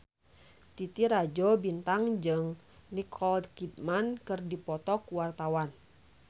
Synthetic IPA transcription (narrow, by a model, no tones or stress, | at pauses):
t̪it̪iɾad͡ʒɔbint̪aŋd͡ʒɨŋ | nikʰɔldkit̪̚mankɨrdipɔt̪ɔkuwart̪awan